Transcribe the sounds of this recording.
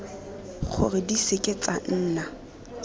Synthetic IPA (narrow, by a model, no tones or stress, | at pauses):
χʰʊ̰rɪdisekʼet͡sʼan̩ːna